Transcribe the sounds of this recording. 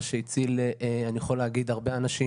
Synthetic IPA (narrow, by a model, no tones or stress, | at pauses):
ʃeit͡sileanijeχo̞leaɡid̪haʁbe̞anaʃi